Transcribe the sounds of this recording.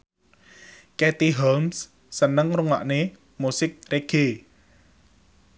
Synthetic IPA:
kɛt̪iɦɔmsː | ənəŋruŋa̰ʔne | musɪk̚reɡ̥e

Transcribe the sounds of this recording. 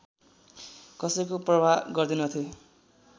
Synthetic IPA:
kʌsʌjkoprʌbʱaɡʌrd̪unʌt̪ʰjo

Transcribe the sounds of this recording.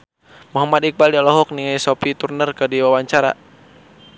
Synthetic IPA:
muɦamat̪ik̚baldialɔɦɔk̚niŋajsopit̪urnərkədiwawaɲt͡ʃaɾa̰

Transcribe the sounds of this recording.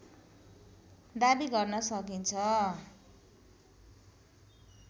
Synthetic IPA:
d̪abiɡʌrnʌsʌkint͡sʰʌ

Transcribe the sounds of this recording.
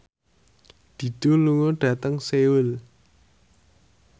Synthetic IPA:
d̪̥i̤d̪̥o̤luŋoɖ̥ä̤t̪əŋsewʊl

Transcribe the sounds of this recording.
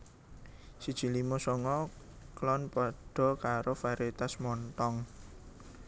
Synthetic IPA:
sid̥ʒ̥i̤limosɔŋɔ | klɔnpɔɖ̥ɔ̤kaɾofaɾet̪asmɔnt̪ɔŋ

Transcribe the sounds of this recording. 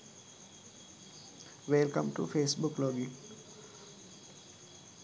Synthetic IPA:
ʋelkə̃mʈṵfeːsbʊklɔːɡɪ̃

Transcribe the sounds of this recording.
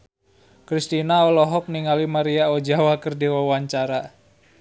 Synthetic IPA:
kɾist̪inaɔlɔɦɔk̚niŋalimaɾiaod͡ʒawakərdiwɔwaɲt͡ʃaɾa

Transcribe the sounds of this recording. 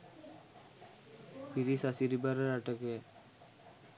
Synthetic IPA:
piɾisasiɾibaɾɾaʈəke

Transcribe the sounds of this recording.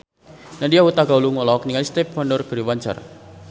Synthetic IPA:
nadijawut̪aɡauluŋɔlɔk̚niŋalist̪ɛpfandɔrɡ̥əɾiwaɲt͡ʃə̰r

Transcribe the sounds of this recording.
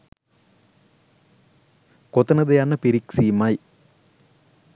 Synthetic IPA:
kot̪ːɐnɐd̪ɐjanːɐpiɾiksiːmaːj

